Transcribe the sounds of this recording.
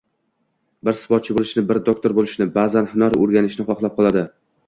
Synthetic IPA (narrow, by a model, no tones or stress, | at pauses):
bɪɾsɪ̥fɒt̪̚t͡ʃʰɪbolˠɪʃnɪbɪɾd̪ok̚t̪ʰo̞ɾbolˠɪʃnɪbaːzanhɪnɒɾoɾɡʲanɪʃnɪχɒχlˠap̚qʰɒlˠad̪ɪ